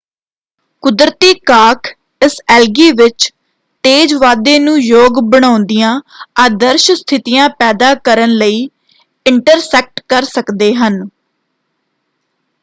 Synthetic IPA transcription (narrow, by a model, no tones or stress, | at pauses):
kʊd̪ɾət̪iːkaːkʰ | ɪsɛːlɡiːʋɪt͡ʃ | ʈeːd͡ʒʋaːd̪ẽːnũːjoːɡbəɽ̃aːʊ̃nd̪ɪjãːaːd̪əɾʃst̪ʰɪt̪ɪjãːpɛːd̪aːkəɾənləiː | ɪɳʈəɾsɛːk̚ʈkəɾsəkd̪eːɦən